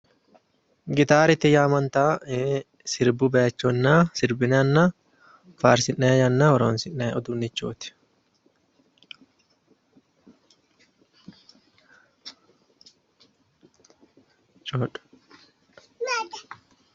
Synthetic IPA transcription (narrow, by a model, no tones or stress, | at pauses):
ɡɪt̪aːɾɪt̪ːɪjaːmɐnt̪aː | sɪɾbʊbɐɐt͡ʃːonːaːsɪɾbɪnɐnːaː | faːɾsɪnːɛjɐnːaːɔɾoːnsɪnːɛɔd̪ʊnːɪt͡ʃːoːt̪ɪ̥ | t͡ʃoᶑ